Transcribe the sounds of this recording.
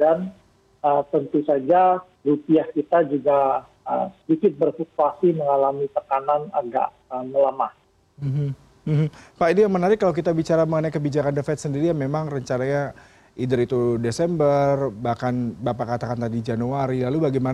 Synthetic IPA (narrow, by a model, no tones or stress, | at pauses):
dan | ət̪ənt̪usad͡ʒa | rupiahkit̪ad͡ʒuɡa | ə̰msədikɪt̪̚bərfuk̪̚uasiməŋalamit̪əkanana̰ɡa̰ʔ | əmələmah | m̩ɦ̩ | ɦm̩paʔidijaŋmənaɾɪkːalawkit̪abit͡ʃaɾaməŋənajkəbid͡ʒakandəfɛt̪səndiɾijamemaŋrəɲt͡ʃanaɲa | ʔidəɾit̪udesɛmbərbahkanbapakat̪akant̪adid͡ʒanuaɾilalubaɡajma